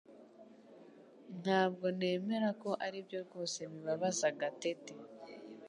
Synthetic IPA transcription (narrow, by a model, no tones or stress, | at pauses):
n̥haːbɡo̞ne̞ːme̞ɾako̞ʔaɾibjo̞ɾɡo̞ːse̞βiβaβazaɡate̞te